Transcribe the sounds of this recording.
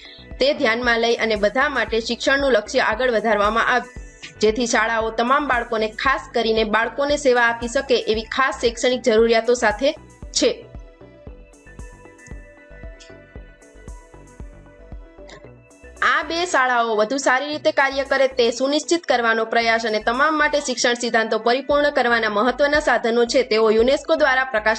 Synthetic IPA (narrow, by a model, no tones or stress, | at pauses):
t̪ed̪ʱjanmãləiʔənebəd̪ʱamaʈeʃɪkʃəɽnũləkʃjəʔaɡəɭʋəd̪ʱaɾʋamã̰ʔaʋe | d͡ʒet̪ʰiʃaɭaot̪əmambaɭkonekʰaskəɾinebaɭkoneseʋaːpiʃəkeʔeʋikʰasːekʃəɽ̃ik̚d͡ʒəɾuɾijat̪osat̪ʰe | t͡ʃʰe | abesaɭaoʋəd̪ʱusaɾiɾit̪ekaɾjəkəɾet̪esuniʃt͡ʃit̪kəɾʋanopɾəjaʃənet̪əmamːaʈeʃɪkʃəɳsid̪ʱãnt̪opəɾipuɾɳəkəɾʋanaməɦət̪ʋənasad̪ʱənot͡ʃʰet̪eojuneskod̪ʋaɾapɾəka